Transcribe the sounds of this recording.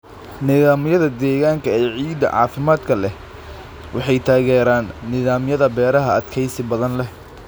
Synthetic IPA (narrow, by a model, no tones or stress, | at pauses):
nɪðaːmjɐðɐd̪ɛːɣaːŋkʰɐɛːʕiːd̪ɐ̰ʕɑ̰ːfɪmaːd̪kʰɐlɛh | wɑħɑjt̪ʰaːɣɛːɾaːnːɪðaːmjɐðɐbɛːɾɐɦɐɐd̪kʰɛjsɪbɐðɐnlɛ